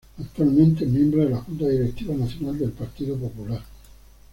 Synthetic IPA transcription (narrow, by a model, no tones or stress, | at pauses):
at̪ːualment̪̬emembɾad̪elːakunt̪ad̪iɾet̪ːiːvanat̪sːjonaled̪elpart̪iːt̪opopular